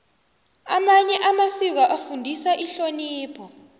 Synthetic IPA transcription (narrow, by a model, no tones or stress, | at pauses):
amaɲɛʔamasik̬aʔafundʱisaʔiɬoniːpʰɔ